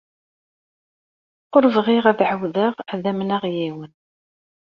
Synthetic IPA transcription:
qoɾvʁɪʁæðʕəwðəʁæðæmnæʁjiwən

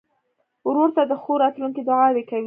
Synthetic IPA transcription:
wɾoɾt̪ad̪əxoɾɑt̪luŋkid̪ʊʕɑwekawi

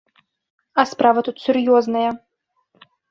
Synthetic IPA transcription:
ɐspɾavɐt̪ut̪sʲurjɔznɐjɐ

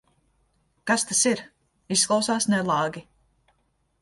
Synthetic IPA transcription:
kast̪asiɾ | isːklˠawsaːsnɛlˠaːɡʲi

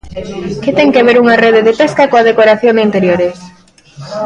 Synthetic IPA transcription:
kɪt̪ɛŋkeaβeɾuŋɐreðeðepeskɐkoɐð̞ekoɾaθjonint̪eɾjoɾes

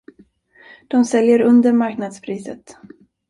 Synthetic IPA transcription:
d̪̥ɔmsɛljəɾɵnd̪əɾmaɾknad̪spʰɾiːsə̰t̪

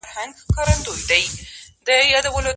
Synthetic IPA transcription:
ɾhaŋɡkɑɾand̪ojd̪ajd̪əjɑd̪awəlo

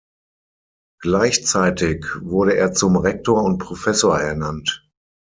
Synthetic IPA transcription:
ɡ̥laɪçt͡saɪtɪçvʊɐɾəeːɐt͡sʊmʁɛk̚toːɐʊnt̚pʁ̥ofɛsoːɐɛɐnant

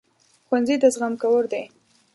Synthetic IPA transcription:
xwanzid̪əzɣamkawəɾd̪e

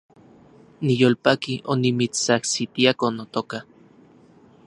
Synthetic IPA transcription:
nijolpakiʔonimit͡st͡sahsit̪iakonot̪oka

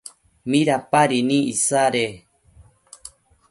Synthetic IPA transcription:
mĩɾapaɾinĩisaɾe

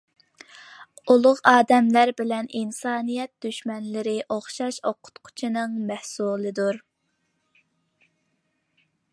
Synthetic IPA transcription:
ulˠʊʁɑːd̪ɛmlæɾbɪlɛnʔinsɑːnijɛt̪̚d̪̥yʃmɛnlɪɾɪʔoχʃɑʃoqʰʊ̥t̪qʰʊ̥t͡ʃʰinɨŋmæhsulˠɨd̪uɾ

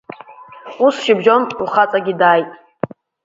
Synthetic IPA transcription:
usʃɪbʒo̞ntʰʼʷuχat͡sʼaɡʲidaːjtʼ

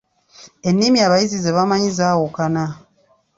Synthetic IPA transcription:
e̞nːimiaβajizizeβamaɲizawokana

